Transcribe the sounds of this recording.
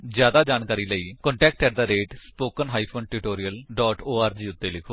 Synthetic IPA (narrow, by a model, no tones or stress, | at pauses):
d͡ʒjaːd̪aːd͡ʒaːnkaːɾiːləiːkɔɳʈɛːk̚ʈkɛːʈd̪aːɾeːʈspoːkənɦaːiːpʰoːnʈuːʈoːɾijəlɖɔːʈoːaːɾd͡ʒiːʊt̪ːeːlɪkʰoː